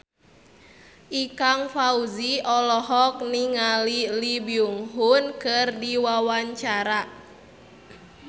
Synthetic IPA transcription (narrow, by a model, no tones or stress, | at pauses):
ʔikaŋfauziɔlɔɦɔk̚niŋalilibiuŋɦunkɨrdiwawaɲt͡ʃaɾa